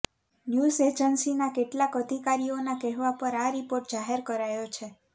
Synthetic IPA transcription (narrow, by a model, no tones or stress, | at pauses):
njuzed͡ʒənsinakeʈlakəd̪ʱikaɾionakɛɦʋapəɾaɾipoɾʈ̚d͡ʒaɦeɾkəɾajot͡ʃʰe